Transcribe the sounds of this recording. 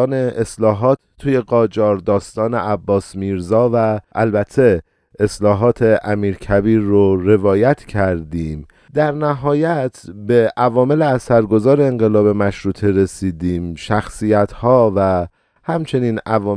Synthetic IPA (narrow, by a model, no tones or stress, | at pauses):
ne̞eslɒːɦɒːt̪ʰːuːje̞ɡɒːd͡ʒɒːɾd̪ɒːst̪ɒːne̞ʔæbːɒːsmiːɾzɒːvæʔæ̰lbæt̪ʰːe̞ | eslɒːɦɒːt̪ʰe̞ʔæmiːɾcʰæbiːɾːoɾe̞vɒːjæt̪ʰcʰæɾd̪iːm | d̪æɾnæɦɒːjæt̪ʰbe̞ʔævɒːme̞leæsæɾɡo̞zɒːɾeːŋɢe̞lɒːbe̞mæʃɾuːt̪ʰeɾe̞siːd̪iːmʃæxsiːjæt̪ʰhɒːvæ | hæmt͡ʃʰe̞niːnævɒː